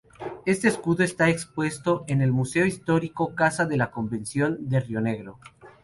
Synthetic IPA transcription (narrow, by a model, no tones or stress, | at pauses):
e̞st̪e̞ːskuðoest̪aekspwe̞st̪o̞ʔene̞lmuseoist̪o̞ɾiko̞kasaðe̞lako̞mbe̞nsjo̞nd̪erjo̞ne̞ɣɾo̞